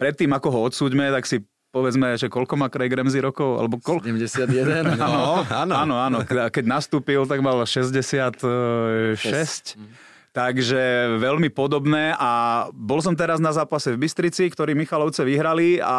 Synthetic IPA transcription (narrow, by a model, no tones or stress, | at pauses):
pɾɛt̪ːiːmakɔɦɔɔt̪suːɟmɛt̪aksi | pɔʋɛd͡zmɛɛʒɛkɔlkɔmakɾɛjɡɾɛmziɾɔkɔʊa̰lɛbɔkɔlmɛsɪad̪ɛd̪ɛnɔanaːnɔaːnɔkɛɟnast̪uːpilt̪̬aɡmalʃɛzɟɛsɪat̪ | ʃɛsc | t̪aɡʒɛʋɛlmipɔd̪ɔbnɛːʔabɔls̬ɔmt̪̬ɛɾaznazaːpasɛvbist̪ɾit͡sikt̪ɔɾiːmixalɔʊt͡sɛʋiɦɾalia̰